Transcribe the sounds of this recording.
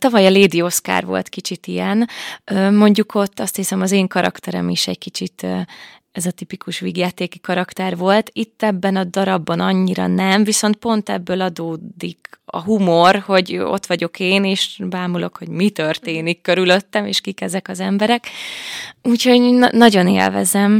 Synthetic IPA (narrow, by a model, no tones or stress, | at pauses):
t̪ɒvɒjɒleːd̪io̞ska̰ːrvo̞̰lt̪kit͡ʃit̪ijɛnøːmo̞ɲɟuko̞t̪ːɒst̪hisɛmɒzeːŋkɒɾɒ̰kt̪ɛɾɛ̰miʃɛɟkit͡ʃit̪ː | ɛzɒt̪ipikuʃʋiɡjaːt̪eːkikɒɾɒkt̪ɛrʋo̞lt̪it̪ːɛbːɛnɒd̪ɒɾɒbːɒnɒɲːiɾɒ̰nɛmviso̞nt̪̚po̞nt̪ɛ̰bːøːlɒd̪oːd̪ikɒ̰ɦumo̞rho̞ɟo̞̰t̪ʋɒɟo̞kʰeːneːʃbaːmulo̞kho̞ɟmit̪ørt̪eːnikːøɾylø̞t̪ːɛmeːʃkikɛzɛkɒzɛmbɛɾɛk | uːcho̞nɒɟo̞nḛːlvɛ̰zɛm